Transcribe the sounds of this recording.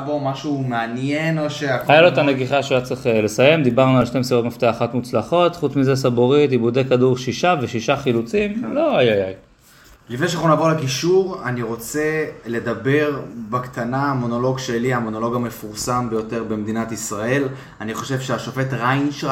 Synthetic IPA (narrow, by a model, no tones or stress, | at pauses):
bomaʃumeanjenoʃeahajalot̪aneɡiχaʃjat͡sʁeχele̞saje̞md̪ibaʁnualʃne̞jmsiʁo̞t̪maft̪eaχot̪mut͡slaχo̞t̪χut͡smizesaboʁitibud̪ekaduʁʃiʃave̞ʃiʃaχilut͡simlo̞ajajaj | lifneʃeanaχunavo̞lekiʃuʁaniʁo̞t͡se̞le̞d̪abe̞ʁbakt̪anaːmo̞no̞lo̞ɡʃe̞liamono̞lo̞ɡame̞fuʁsambejo̞t̪e̞ʁbemed̪inat̪isʁae̞l | aniχo̞ʃe̞vʃeaʃofet̪ʁainʃ